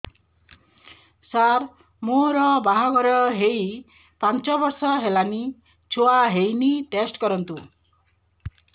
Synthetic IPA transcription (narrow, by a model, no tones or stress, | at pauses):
saɾ | moɾɔbaɦɔɡɔɾɔɦej | pant͡ʃɔbɔɾsɔɦelani | t͡ʃʰoaɦejniʈesʈkɔɾɔnt̪u